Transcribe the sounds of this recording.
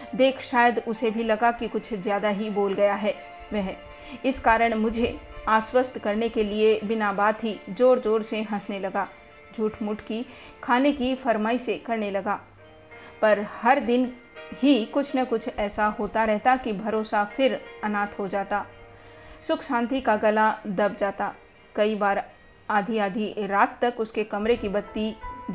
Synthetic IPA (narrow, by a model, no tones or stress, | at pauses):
d̪eːkʰʃaːjəd̪ʊsebʱilɐɡakikʊt͡ʃʰzjaːd̪aɦiboːlɡɐjaɦɛː | ʋɛɦ | ɪskaːɾəɽ̃mʊd͡ʒʱeaːswəst̪ʰkɐɾnekeliebɪnabaːd̪ɦid͡ʒoːɾd͡ʒoːɾseɦɐ̃snelɐɡaː | d͡ʒʱuːʈʰmʊʈʰki | kʰaːnekifɐɾmaːisekɐɾnelɐɡaː | pɐɾhɐɾd̪ɪn | ɦikʊt͡ʃʰnɐkʊt͡ʃʰɛːsaɦoːt̪aɾɛɦt̪akibʱɐɾoːsafʰɪɾɐnãːt̪ʰɦod͡ʒaːt̪aː | sʊkʰʃãːnt̪ikaɡɐlad̪ɐb̚d͡ʒaːt̪aː | kɐibaːɾ | aːd̪ʱiaːd̪ʱiɾaːt̪ːɐkʊskekɐmɾekibɐt̪ːid͡ʒ